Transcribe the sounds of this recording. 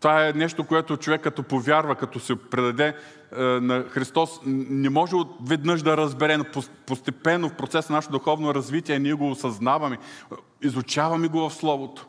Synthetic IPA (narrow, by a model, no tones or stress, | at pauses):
t̪ovaɛnɛʃt̪okoɛt̪ot͡ʃovɛkːɐt̪ɔpovʲjaɾvɐkɐt̪ɔsɛpɾɛd̪ɐd̪ɛ | nɐxɾist̪ɔsnɛmɔʒɛot̪vɛd̪nɤʃd̪ɐɾɐzbɛɾɛnopopost̪ɛpɛnːofpɾot̪sɛsnɐnaʃɛt̪od̪ʊxɔvnoɾɐzvit̪iɛniɛɡoːsɐznavɐmɛ | izʊt͡ʃavɐmiɡovɐfslˠɔvot̪o̥